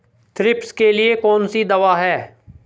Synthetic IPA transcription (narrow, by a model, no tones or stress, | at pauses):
t̪ʰɾɪpskelɪekɔːnsid̪ɐʋaːɦɛː